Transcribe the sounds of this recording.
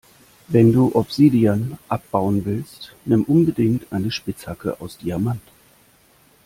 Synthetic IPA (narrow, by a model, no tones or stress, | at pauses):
vɛnduːʔɔpz̥iːdianʔap̚b̥aʊənvɪlstnɪmʔʊnbədɪŋtʔaɪnəʃpɪt͡shakə̰ʔa̰ʊsd̥iɐɐmant